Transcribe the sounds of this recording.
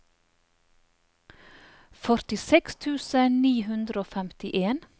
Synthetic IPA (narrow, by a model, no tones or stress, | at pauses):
fœɾt̪ɪsɛkst̪ʰʉːsəniːhʉnd̪ɾəoːfɛmt̪ɪʔeːn